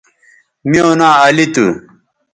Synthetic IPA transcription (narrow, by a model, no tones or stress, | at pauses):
mioːnaːɐlit̪u